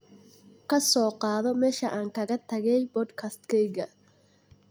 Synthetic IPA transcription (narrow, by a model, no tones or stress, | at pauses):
kʰɐsɔːqɑːðɔmɛːʃɐʔaːŋkʰɐɣɐt̪ʰɐɣɛjbɔd̪kʰɐst̪kʰɛjɣɐ